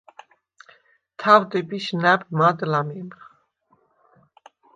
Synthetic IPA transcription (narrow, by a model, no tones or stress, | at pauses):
t̪ʰavd̪ɛbiʃnæbmad̪lamimχ